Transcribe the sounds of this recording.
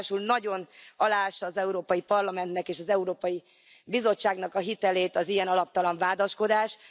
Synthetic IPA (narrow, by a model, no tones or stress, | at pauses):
ʃulnɒɟo̞nɒlaːʃɒːzɛuɾoːpɒjipɒrlɒmɛnt̪nɛkeːʃɒzɛuɾoːpɒji | bizo̞t͡ʃːaːɡnɒkɒɦit̪ɛleːt̪ɒzijɛnɒlɒp̚t̪ɒlɒɱvaːd̪ɒʃko̞d̪aːʃ